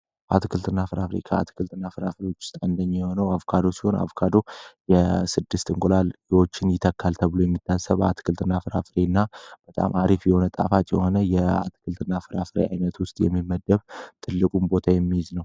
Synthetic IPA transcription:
a̰t̪ʰɨkʰɨlt̪ʰʼɨnːafɨɾafɾḛkʰəa̰t̪ʰɨ̥kʰɨlt̪ʰʼɨnːafɨɾafɾewo̞t͡ʃːwʊ̥st̪ʼaɨnd̪əɲːijɛho̞nəwavkʰad̪o̞siho̞na̰vkʰad̪o̞jɛsɨd̪ːɨst̪ɨŋkʼolaljiwo̞t͡ʃːɪnjɪt̪ʰəkʰːalt̪ʰəβɨlojɛmːit̪ʰːasəβa̰t̪ʰkʰɨlt̪ʰʼɨnːafɨɾa̰fɨɾenːab̥ət̪ʼa̰mʔaɾifjɛho̞nət̪ʼa̰fat̪ʼjɛ̰ho̞nəjɛa̰t̪ʰkʰɨlt̪ʰɨnːafɨɾafɨɾḛa̰jnət̪wʊst̪ʼjɛ̰mːiməd̪ːəβt̪ʰɨlːɨkʼumbo̞t̪ʰajɛmːijɪznəw

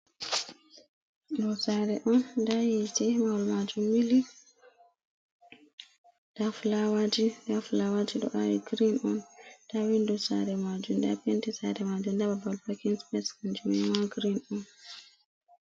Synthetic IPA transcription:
dɔsaɾɛʔɔndajitɛmawalmad͡ʒumːili | d̥aflawad͡ʒidaflawad͡ʒiɗɔ̰ʔawḭɡɾinɔntawindusa̰ɾɛmad͡ʒumda̰pentisaɾɛmad͡ʒumdababalbakinspɛskand͡ʒumimaɡɾinɔn

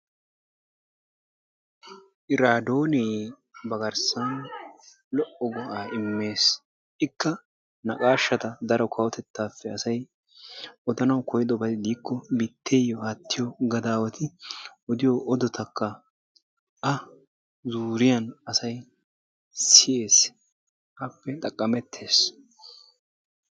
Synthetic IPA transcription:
ʔɪɾaːd̪o̞ːnj | bɐɡɐɾsɐn | lɔʔɔɡɔʔaːɪmːe̞ːs | ɪkːɐ | nɐkʼaːʃːɐt̪ɐd̪ɐɾɔkʰɐwɔt̪ɛt̪ːaːfːɛɐsɐj | ʔɔd̪ɐnɐwkɔjɪd̪ɔbɐd̪ɪd̪iːkːɔbit̪ʰːe̞ːjɔhɐt̪ʰːɪjɔɡɐd̪aːwɐt̪ʰɪʔɔd̪ɪjɔʔɔd̪ɔt̪ʰɐkʰːɐ | ʔɐ | zuːɾɪjɐnɐsɐj | sɪje̞ːs | ʔɐpːɛt̪ʼɐkʼːɐmɛt̪ʰːe̞ːs

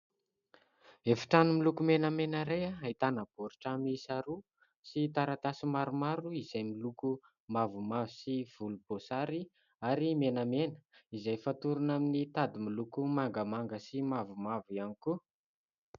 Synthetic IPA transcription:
efi̥ʈ͡ʂanumilukumenamenəɾejaait̪anab̥oɾiʈ͡ʂamisaɾu | sit̪aɾat̪asimaɾumaɾuiz̥ajmiluku | mavumavisiv̥ulub̥osaɾi | aɾimenamenə̥izajfat̪uɾunaminit̪ad̪imilukumaŋɡəmaŋɡəsimavumavianiku

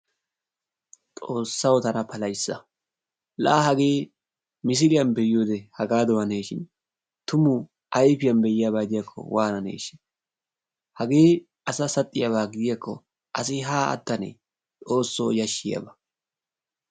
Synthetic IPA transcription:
t̪ʼo̞ːsːɐwt̪ɐnɐpʰɐlɐjsːɐ | lɐ̰hɐɡeː | mɪs̬ɪlɪjɐnbɛjoːd̪ɛhɐɡaːd̪ɔwɐneːʃɪn | t̪ʊmʊ | ʔɐjfɪjɐnbɛjɪjabaːd̪ɪjɐkʰːɔ̰wʔaːnɐnḛːʃɪn | hɐɡeː | ɐsɐsɐt̪ʼːɪjaβaːɡɪd̪ɪjɐkʰːɔ | ʔɐsɪɦaːɐ̰t̪ːɐnḛ | ᶑo̞ːsːo̰ːjɐʃːɪjɐ̰bɐ

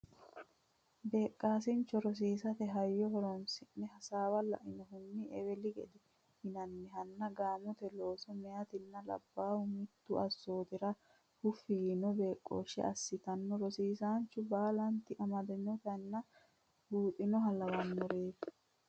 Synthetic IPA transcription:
beːkʼːaːs̬ɪnt͡ʃːɔɾɔs̬iːsɐt̪ɛɦɐjːɔhɔɾɔnsɪnːɛɦɐsaːwɐlɐ̰ʔɪnɔɦʊnːɪʔɛwɛlɪɡɛ̰d̪ɛ | hɪnɐnːɛɦɐnːɐɡaːmɔt̪ɛlo̞ːsɔmɛjɐt̪ɪnːɐlɐ̰bːaːhʊmɪt̪ːʊɐsːoːt̪ɪɾɐ | hʊfːɪɡinɔbe̞ːkʼːo̰ːʃɛ̰ɐsːɪt̪ɐnːɔɾɔsiːsaːnt͡ʃːʊbaːlɐnt̪ɪʔɐmɐd̪ɐɲːɔt̪ɐnːɐ | buːt̪ʼɪnɔɦɐlɐwɐnːɔɾeːd

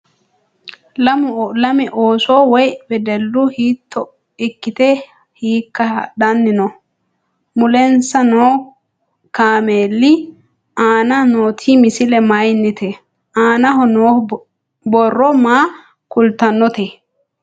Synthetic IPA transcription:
lɐmʊlɐmɛʔoːso̞ːwɔjbɛd̪ɛlːʊhiːt̪ʰːɔ | ɪkːɪt̪ɛ | hiːkːɐɗɐnːɪnɔ | mʊlɛnsɐnoː | kaːmeːlːɪ | aːnɐnoːt̪ʰimɪsɪlɛmɐjnːɪt̪ɛ | ʔaːnɐɦɔnoː | bɔrːɔmaː | kʊlt̪ɐnːɔt̪e

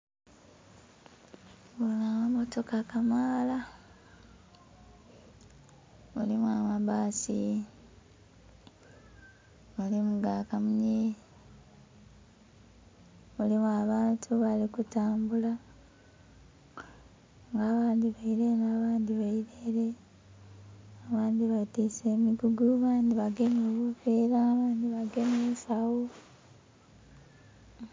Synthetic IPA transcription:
βonamamo̞to̞kakamaːla | mulimuamaβaːsi | mulimuɡaːkamuɲe | mulimuaβaːntʰuβalikutaːmbula | ŋɡaːβaːndiβaiɾenaːβaːndiβaiɾeɾe | aβaːndiβatise̞ːmiɡuɡuβaːndiβaɡemoβufeːɾaβaːndiβaɡe̞meːsawo

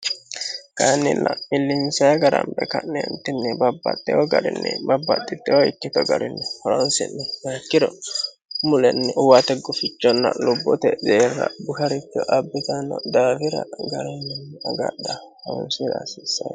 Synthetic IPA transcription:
kanːɪnːɐɪlːɪnsɐjɡɐɾɐmbɛ̰kɐnɛnt̪ːɪnːɛbɐbːɐ̰t̪ːɛɔɡɐɾɪnːɛbɐbːɐt̪ːɪt̪ːɛwɔɪ̰kːɪt̪ɔɡɐɾɪnːɛhɐɾɔnsɪ̰nːɛmɐkːɪd̪ɔ | mʊlɛnːɛʊwat̪ɛɡʊfɪt͡ʃːɔnːɐ̰lʊbːɔt̪ɛzeːɾːɐ̰bʊhɐɾɪt̪ːɪɔʔɐbːɪt̪anːɔd̪aːfɪɾɐ̰ɡɐɾɛnːɛnɐɡa̰d̪ɐ | hɐwʊ̰nsɪd̪asɪsːɐj

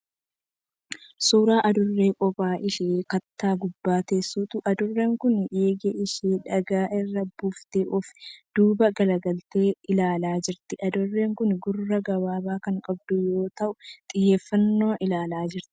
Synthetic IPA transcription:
suːɾaːʔɐd̪ʊrːe̞ːkʼɔpʼaːʔɪʃeːkɐt̪ːaːɡʊbːaːt̪eːsːuːt̪ʊʔɐd̪ʊrːeːŋkʊnjeːɡeʔɪʃeːᶑɐɡaːʔɪrːɐbuːft̪eːʔɔfd̪̥uːbɐɡɐlɐɡɐlt̪e̞ːɪlaːlaːd͡ʒɪɾt̪ɪʔɐd̪ʊrːe̞ːŋkʊnɡʊrːɐɡɐwaːbaːkɐŋkʼɐb̚d̪ʊjo̞ːt̪ɐʔʊt̪ʼɪjːeːfːɐnːoːʔɪlaːlaːd͡ʒɪɾt̪ɪ̥

